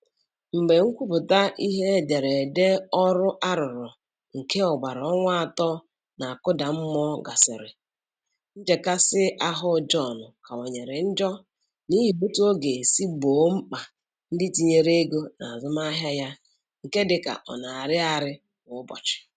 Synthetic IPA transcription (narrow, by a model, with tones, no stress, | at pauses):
m̩˨ɡ͡be˨ŋ̩˦kʷu˦pʊ˨ta˦ʔi˦ɦe˦de˨ɾe˨de˦ɔ˦ɾʊ˦ʔa˦ɾʊ˨ɾʊ˨ | ŋ̩˨ke˦ɔ˨ɡ͡ba˨ɾɔ˦ŋʷa˦a˨tɔ˦ | na˨a˨kʊ˦da˨m̩˦mɔ˦ɡa̰˨sɪ̰˨ɾɪ̰˨ | n̩˦d͡ʒe˨ka˦sɪ˦ʔa˦ɦʊ˦d͡ʒɔ˦˨nʊ˨ka˨o˨ɲe˨ɾe˨n̩˦d͡ʒɔ˦ | ni˦ɦi˨o˦tu˦o˦ɡe˨si˦ɡ͡bo˨˦m̩˦k͡pa˨ | n̩˦dɪ˦ti˨ɲe˦˨ɾe˦ɡo˦na˨a˨zʊ˦ma˦ɦja˦ja˦ | ŋ̩˨ke˦dɪ˨ka̰˨ʔɔ̰˨na˨a˨ɾɪ˦a˨ɾɪ˦ | ŋʊ˨˦bɔ̰˨t͡ʃɪ̥˨